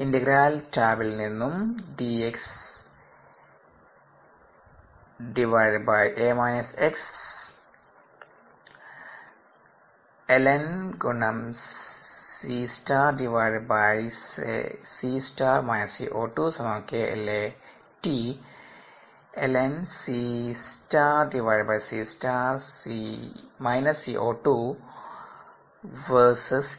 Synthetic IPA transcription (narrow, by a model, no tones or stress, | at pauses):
indeɡɾaːltaːbilninːumɖieks | ɖiʋaɻbajʔeːmaːjneseks | elenɡuɳɐm | sisʈaːɖiʋaɻbajsḛsiːsʈaːmaːjnɐsḭːʔoːʈusɐmaːkeḛle | ʈiː | elensisʈaɖiʋajɖbajsiːsʈasimajnəsiʔoːʈuː | ʋəɾsəs